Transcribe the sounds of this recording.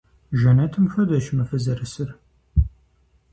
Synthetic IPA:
ʒɐnɐtʰɨmxɐdɐʃmɨfɨzɐɾɨsɨr

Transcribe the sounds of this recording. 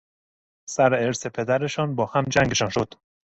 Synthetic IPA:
sæɾeɾsepʰe̞d̪æɾe̞ʃɒnbɒːhæmd͡ʒæŋɡe̞ʃɒnʃo̞d̪̥

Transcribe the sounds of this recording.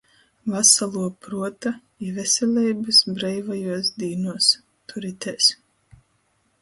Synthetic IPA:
vasalˠuɔpɾuɔt̪a | ivɛsʲɛlʲɛjbɨsbɾɛjvajuɔs̬d̪iːnuɔs | t̪uɾit̪ʲɛs

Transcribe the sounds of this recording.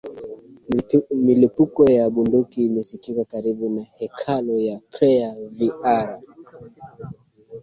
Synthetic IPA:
milipukɔjaɓundukiːmɛsikikakaɾiɓunahɛkʰalɔjapɾɛaviaɾ

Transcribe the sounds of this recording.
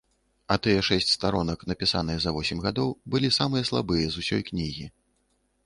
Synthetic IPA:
ɐt̪ɨjɛʂɛsʲt͡sʲst̪aɾɔnɐknɐpʲisanɨjɛzɐvɔsʲɛmʲɣad̪ɔwbɨlʲisamɨjɐslˠabɨjɐzusʲɔ̰jknʲiɣʲi

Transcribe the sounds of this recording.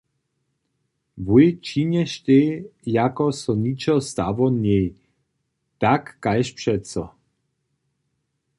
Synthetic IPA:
vujt͡ʃiɲɛʃt̪ejakɔsɔnit͡ʃɔst̪avɔnɛj | t̪akːajʃpʂɛtsɔ

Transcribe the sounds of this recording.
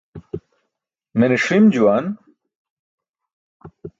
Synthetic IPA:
meneʂimd͡ʑuwan

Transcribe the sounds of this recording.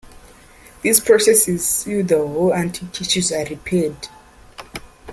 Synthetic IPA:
ðispʰɹɔsɛsizudəɦolãntʰitʰiʃuzaɹipʰɛd

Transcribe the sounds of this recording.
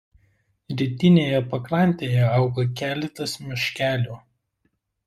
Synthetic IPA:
ɾʲɪt̪ʲɪnʲeːjɛpɐkɾɐˑnʲt̪ʲeːjɛɐˑʊɡɐkʲæːlʲɛt̪ɐsmʲɪʃʲkʲæːlʲuː

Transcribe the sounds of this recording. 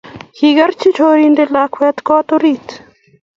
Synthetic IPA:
hiɡɐɾt͡ʃit͡ʃoɾindelakʰwɛt̪kɔt̪oɾit̪

